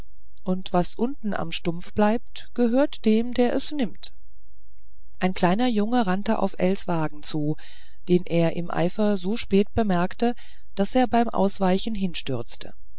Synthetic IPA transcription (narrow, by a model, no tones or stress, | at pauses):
ʔʊntv̥asʔʊntn̩ʔa̰mʃtʊmfb̥laɪp̚t | ɡ̥əɦøːɐtd̥eːmdeːɐʔɛsnɪmt | ʔaɪnkl̥aɪnɐjʊŋəʁantəʔa̰ʊfʔɛlsv̥aːɡŋ̩t͡suː | d̥eːnʔeːɐʔɪmʔa̰ɪfɐzoːʃpɛːtb̥əmɛɐktə | d̥aseːɐbaɪmʔa̰ʊsv̥aɪçn̩ɦɪnʃtʏɐt͡stʰə̰